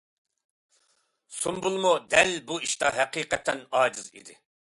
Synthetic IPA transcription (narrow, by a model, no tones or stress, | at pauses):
sumbulˠmud̪ɛlbuiʃt̪ɑɦɛqiːqɛt̪ʰːɛnɑːd͡ʒizḭd̪ɪ